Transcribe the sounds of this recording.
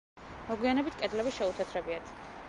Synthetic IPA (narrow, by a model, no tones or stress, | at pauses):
mɔɡwianɛbit̪ʰkʼɛd̪lɛbiʃɛut̪ʰɛt̪ʰɾɛbiat̪ʰ